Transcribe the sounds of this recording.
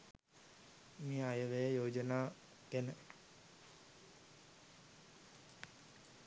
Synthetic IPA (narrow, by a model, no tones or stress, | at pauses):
miajəʋejəjoːd͡ʒənaː | kenə